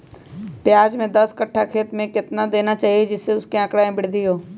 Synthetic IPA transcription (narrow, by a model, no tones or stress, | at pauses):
pjaːd͡ʒmẽd̪ɐskəʈʰːakʰeːt̪mẽkɪt̪nad̪eːnat͡ʃaːɦied͡ʒɪsːeʊskeãkɽaẽbɪɽd̪ɪjoː